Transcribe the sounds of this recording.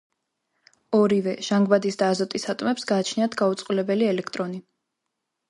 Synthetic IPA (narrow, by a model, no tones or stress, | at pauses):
ɔɾivɛʒ̥aŋɡbad̪isd̪aːzɔt̪ʼisat̪ʼmɛpsɡaːt͡ʃʰniat̪ʰɡaut̪sʼqʼulɛbɛliɛlɛkʰt̪ʼɾɔni